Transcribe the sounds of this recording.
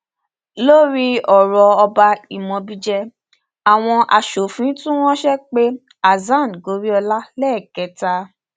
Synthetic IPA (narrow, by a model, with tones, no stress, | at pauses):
lo˦ɾi˦ɔ˨ɾɔ˧ɔ˧ba˧i˨mɔ̃˧bi˦˧d͡ʒɛ˧ | a˨w̃ɔ̃˧ʔa˧ʃo˨fĩ˨˦tũ˦w̃ɔ̃˦ʃɛ˦k͡pe˦ | a˨zã˦˨n˨ɡo˨˦ɾi˦ɔ˧la˦lɛ˦˨kɛ˨˦ta˧